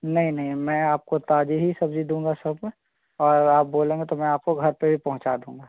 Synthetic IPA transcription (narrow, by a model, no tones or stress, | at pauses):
nɐɦĩnɐɦĩmɛ̃ːaːp̚kot̪aːd͡ʒiɦisɐbd͡ʒid̪ũːŋɡasɐbmẽ | ɔːɾaːp̚boːlẽːɡet̪omɛ̃aːp̚koɡʱɐɾpebʱipɐɦʊ̃t͡ʃad̪ũːŋɡaː